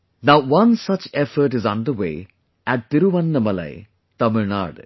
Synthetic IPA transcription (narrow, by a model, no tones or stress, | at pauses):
naʊʋʌ̃nsɐt͡ʃɛfəɾʈɪzɔ̃nd̪əwḛː | æʈ̚d̪ɪɾuʋɐ̃nːəmɐlɐ̰ɪ | t̪ɐməɾna̰ːɾɖ